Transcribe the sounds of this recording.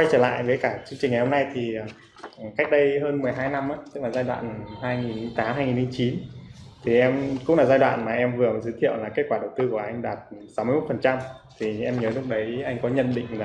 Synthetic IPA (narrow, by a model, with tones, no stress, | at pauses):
wa˧jt͡ɕəː˧˩la̰ː˧˨jvəː˨˦jkaː˧˩t͡ɕɨ˧əŋt͡ɕï˨˩ŋa˨˩jho˧mna˧jt̪ʰi˨˩˨ | ka˦˥k̟̚ɗə˧jɦəː˧nmɨ˨˩əjɦaː˧jna˧mʔaː˨˦t̪ɨ˦˥k̚laː˨˩zaː˧jɗwa̰ː˧˨nɦaː˧jŋi˨˩n˧˦t̪aː˨˦mhaː˧jŋi˨˩nhɨ˨˧˦ŋ͡mt͡ɕi˨˦nt̪ʰi˨˩ʔɛ˧mkʊ̰˧˥ŋ͡mlaː˨˩zaː˧jɗwa̰ː˧˨nmaː˨˩ʔɛ˧mvɨ˨˩ə˩zɨː˨˦jt̪ʰḭ˧˨ə˨wlaː˨˩ke˦˥t̚kwaː˧˩ɗə˨˩wt̪ɨ˧ku˧˩əʔa˧jŋ̟ɗaː˨˩t̚sa˨˦wm˧jmo˦˥t̪fə˨˩nt͡ɕa˧mt̪ʰi˨˩ʔɛ˧mɲəː˨˦lʊ˦˥k͡p̚ɗə˨˦jʔa˧jŋ̟kɔ˨˦ɲə̰˧˨nɗḭ̈˧˨ŋ̟laː˨˩